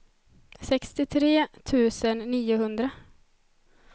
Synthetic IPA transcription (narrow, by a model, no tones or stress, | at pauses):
sɛkst̪ɪt̪ʰɾeːt̪ʰʉ̟ːsənːiːʊɦɵnd̪ɾa